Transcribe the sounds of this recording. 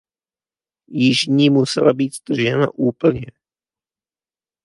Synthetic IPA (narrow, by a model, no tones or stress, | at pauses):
jɪʒɲiːmusɛ̰labiːt̪zd̪r̩ʒɛna̰ʔuːpl̩ɲɛ